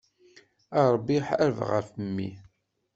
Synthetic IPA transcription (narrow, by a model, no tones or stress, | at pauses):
ɑɾˤbːiħəɾvʁə̰fəmːḭ